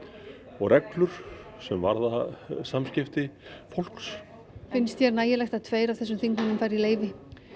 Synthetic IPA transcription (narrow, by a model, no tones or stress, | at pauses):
ɔɣrɛklʏɾ̥ | sɛmva̰ɾðasamscɪft̪ɪfowl̥ks | fɪnst̪çɛɾnaːjɪlɛxt̪at̪ʰveːjɾavθɛsːʏmθiŋknannʏmfajɾileːjvɪ